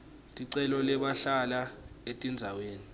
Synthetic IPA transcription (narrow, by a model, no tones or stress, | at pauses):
tʼiǀɛlɔlɛɓaɬalaetʼind͡zʱaweːni